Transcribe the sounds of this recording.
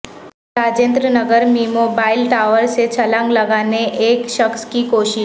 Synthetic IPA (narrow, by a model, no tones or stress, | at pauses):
ɾad͡ʒẽːnt̪ɾənəɡəɾmimoːbaɪlʈaʋəɾset͡ʃʰəlãŋɡləɡaneʔeːkʃəkskikoːʃɪ